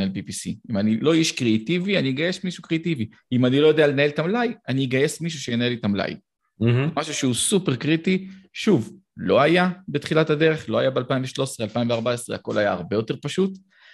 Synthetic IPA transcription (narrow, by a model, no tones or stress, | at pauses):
elpipisiimanilo̞jɛʃkʁeat̪ivianieɡajesmiʃukʁeat̪ivi | imanilo̞jo̞d̪e̞alenae̞lt̪amlajaniiɡaje̞smiʃ̬uʃejenae̞litamla̰j | emaʃuʃeusupeʁkʁitiʃuv | lo̞ajabet̪χilatade̞ʁe̞χlo̞ajabealpaiɱveʃlo̞esʁealpaĩɱveaʁbaesʁeako̞̰lajaːʁbe̞jo̞te̞ʁpaʃut̪